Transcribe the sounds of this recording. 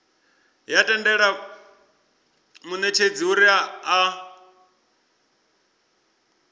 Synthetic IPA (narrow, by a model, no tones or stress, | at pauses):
jatʼɛndɛɺa | munɛt͡ʃʰed͡ziuɾiaː